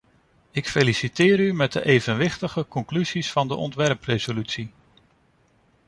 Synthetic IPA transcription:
ɪkfelisitɪːɾymɛd̚ə̰ʔejvənʋɪχtəχəkɔŋklyzisfɑndəʔɔ̰ntʋɛrprejzolytsi

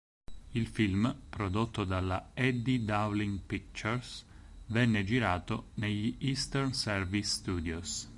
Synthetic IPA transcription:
ilfilmpɾod̪ot̪ːod̪alːaɛd̪id̪awliŋpik̚t͡ʃɛrsvɛnːed͡ʒiɾaːt̪oneʎːiʔist̪ɛrnsɛrvisːt̪uːd̪jos

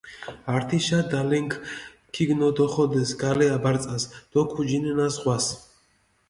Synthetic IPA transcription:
aɾt̪ʰiʃad̪alɛŋkʰ | kʰːiɡnɔd̪ɔχɔd̪ɛsɡalɛabaɾt̪sʼasd̪̥ɔkʰud͡ʒinɛnasʁwas

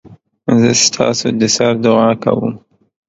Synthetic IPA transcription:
zəst̪ʰɑ̰sod̪əsaɾd̪ʊɑka̰wṵm

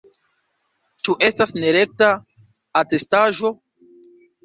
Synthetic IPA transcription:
t͡ʃuʔe̞stasneɾe̞k̚taː | te̞staʒo̞

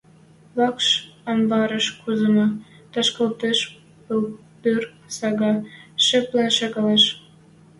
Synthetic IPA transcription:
βɑkʃɑmbɑɾə̆ʃkuzə̆nɑ | t̪ɑʃkɑlt̪eʃ | pəl | pyr | sɑɣɑʃĕplenʃɑkɑleʃ

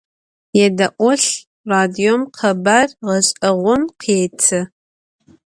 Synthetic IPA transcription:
jɛdɐʔʷɔɬ | raːdiomqʰɐbarʁɐɕʼɐʁʷɔmqʰetʰɨ

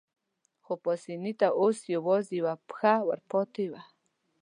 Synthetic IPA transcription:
χopɔsinit̪aʔosjowɔziwapxawa̰ɾpʰɔt̪ʰewa

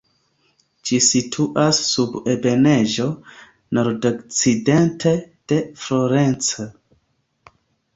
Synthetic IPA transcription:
d͡ʒisitʰuʔasːubebe̞ne̞ʒo̞ | no̞ɾdokt͡side̞nted̥e̞floɾent͡so

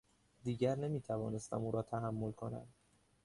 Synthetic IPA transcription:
d̪iːɟæɾne̞miːt̪ʰævɒːne̞st̪ʰæ̰muːɾɒːt̪ʰæɦæmːo̞lkʰo̞næ̰m

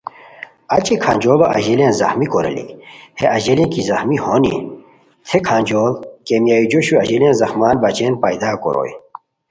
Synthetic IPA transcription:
ɐt͡ɕikʰa̰ːnʲd͡ʑoːlɐʔɐ̰ʑilẽnzɐ̰xmikoɾḛlḭheʔɐʑelĩkizɐxmihonḭ | t̪ʰekʰaːnd͡ʑolkemjaːjid͡ʑoɕuɐʑelẽnzɐxmaːnbat͡ɕenpajd̪aːko̰ɾo̰ːj

